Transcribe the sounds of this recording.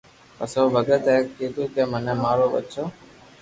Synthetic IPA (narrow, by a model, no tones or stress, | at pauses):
pəsoʋəɡət̪ekkid̪ũːkemənemaːɾoʋə̰t̪ːʃʰoː